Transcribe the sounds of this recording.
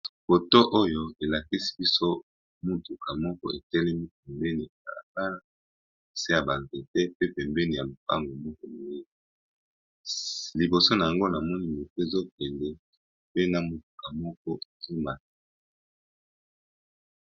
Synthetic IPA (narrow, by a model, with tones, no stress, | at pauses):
ko˨to˦ʔo˦jo˦e˨la˨ki˦si̥˨˦bi˦so˦ | mu˨tu˨ka˨mɔ˦kɔ̰˦e˨tɛ˦lɛ˦mi˦p̚ɛ˨mbɛ˦ni˨e˨ka̰˨la̰˨ka˦la˦ | e˨se˦ja˨ba˨nze˨tɛ˦pe˦pɛ˨mbɛ˦ni˨ja˨lo˨pa̰˦ŋɡo˨mɔ˦kɔ˦mi˨e˦ | li˨bo˨so˦na˨a˨ŋɡo˦na˨mɔ˦ni˦mo˨te˦e˨zo˦pɛ˨ndɛ˨ | pe˦na˨mu˨tu˨ka˨mɔ˦k̚ɔ˦e˨ti˦ma˨e˦